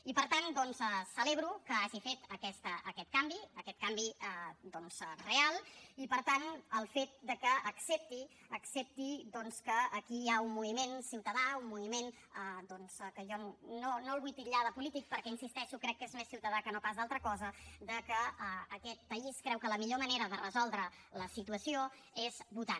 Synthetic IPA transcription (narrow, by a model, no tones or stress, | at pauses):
ipəɾt̪and̪ɔnzɛsəleβɾukəaʒifet̪əkɛst̪əʔəkɛt̪̚kambiəkɛt̪kambiəd̪ɔnzrealˠipəɾt̪anəlˠfet̪̚d̪əkəəksep̚t̪i | əksep̚t̪id̪ɔnskəːkijaummuβimensiwt̪əðaumːuβimen | əd̪ɔnzkəʒɔnonolˠβujpiʎaðəpulit̪ik̚pəɾkɛinsist̪ɛʃukɾɛkːezmesiwt̪əðakənopazðalˠt̪ɾəkɔzəd̪əkəəːkɛt̪̚pəiskɾɛwkələmiʎoməneɾəðərəzɔlˠd̪ɾə | ləsit̪uəsio | ezβut̪a